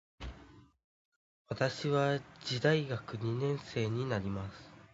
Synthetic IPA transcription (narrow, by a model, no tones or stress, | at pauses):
βat̪aɕiβad͡ʑid̪aiɡakɯ̟ɲ̟inẽ̞ɰ̃se̞ːɲ̟inaɾʲimasɨ̥